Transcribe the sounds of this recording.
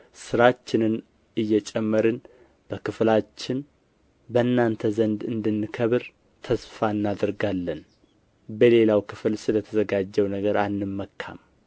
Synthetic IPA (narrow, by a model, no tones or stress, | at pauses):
sɨɾat͡ʃːɪnɨn | ɨjːɛt͡ʃʼɛmːəɾɨn | b̥əkɨflat͡ʃːɪn | bənːant̪ʰəzənd̪ɨnd̪ɨnːɨkʰəβɾ | t̪ʰəsfaɨnːad̪əɾɡalːən | bəle̞lawkʰɨfɨlsɨlət̪ʰəzəɡad͡ʒːɛwnəɡəɾanːɨmːəkʰːa̰m